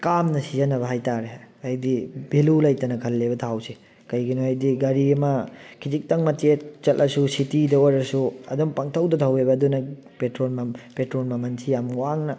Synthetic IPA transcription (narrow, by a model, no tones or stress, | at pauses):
kamnɐsizɐnɐbɐɦajtaɾeɐjdibelulɐjtɐnɐkʰɐlːebɐt̪ʰawse | kɐjɡinoɐjdiɡɐɾiɐmɐkʰid͡ʒik̚tɐŋmɐtet͡ʃɐlʔɐsusitidɐɔɾɐsuɐ̰dɔmpaŋtʰɐwdɐtʰawebɐːdunɐ | petɾonmɐpetɾonmɐmɐnsʰijamwaŋnɐ